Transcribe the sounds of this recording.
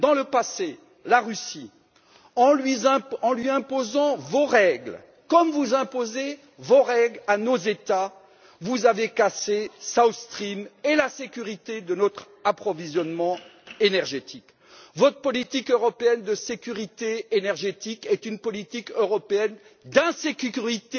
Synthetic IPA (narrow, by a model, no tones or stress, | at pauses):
d̪ɑ̃ləpase | laʁysi | ɑ̃lɥiɛ̃ɑ̃lɥiɛ̃pozɑ̃voʁɛɡl | kɔmvuzɛ̃poze | voʁɛɡlanozet̪a | vuzavekasesawst̪χimelasekʲyʁit̪ed̪ənɔt̪χ | apχɔvizjɔnmɑ̃enɛʁʒet̪ʰik | vɔt̪χə̥pɔlit̪ikøʁɔpeɛnd̪əsekʲyʁit̪eenɛʁʒet̪ikɛt̪ynpɔlit̪ikøʁɔpeɛnd̪ɛ̃sekʲykyʁit̪e